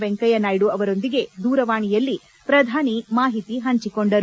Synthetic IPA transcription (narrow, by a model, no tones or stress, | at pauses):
ʋeŋkɐjɐnaːjɽuɐʋɐɾo̞nd̪iɡe̞d̪uːɾɐʋaːɳijɐlːi | pɾɐd̪ʱaːnimaːɦit̪iɦɐɲt͡ʃikoɳɖɐɾ